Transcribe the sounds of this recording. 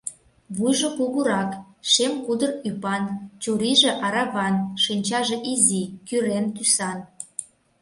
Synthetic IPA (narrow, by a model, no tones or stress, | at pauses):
βujʒokuɣuɾɑk | ʃemkud̪ərypɑnt͡ɕuɾiʒĕʔɑɾɑβɑnʃinʲt͡ɕɑʒeʔizikyɾent̪ysɑn